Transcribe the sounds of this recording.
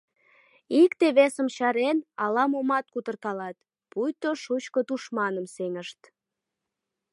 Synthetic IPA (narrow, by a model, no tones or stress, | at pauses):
ikt̪eβesəmʃɑɾenɑlɑmomɑt̪̚kut̪ərkɑlɑt̪ | pujt̪oʃut͡ɕkot̪uʃmɑnəmseŋəʃt̪